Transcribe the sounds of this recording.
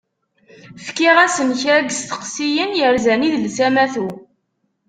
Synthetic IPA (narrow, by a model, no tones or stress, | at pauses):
fkiʁæsəmçɾæɡst̪ə̥qsijənjəɾzæniðlsæmæθu